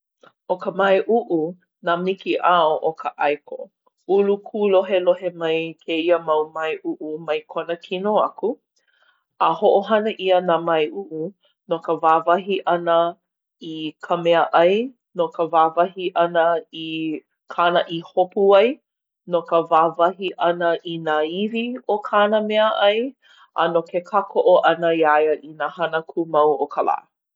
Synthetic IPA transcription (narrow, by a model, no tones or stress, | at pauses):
ʔokəmɐjʔuʔu | namikiʔaoʔokʰəʔajkʰo̰ | ulukʰuloɦeloɦemɐjkʰeiəmɐwmɐjʔuʔumɐjkʰonəkʰinoɐ̰ku | ahoʔoɦɐnəʔiənamɐjʔuʔu | nokəvaːvɐɦiʔɐnə | ikʰəmɛəʔɐj | nokəvaːvɐɦiʔɐnəi | kʰaːnəʔihopuɐj | nokəvaːvɐɦiʔɐnəʔinaːiviokʰaːnəmɛəʔɐj | ʔa̰nokʰekʰakʰoʔoʔɐnəiajəʔinahɐnəkʰumɐwokʰala̰ː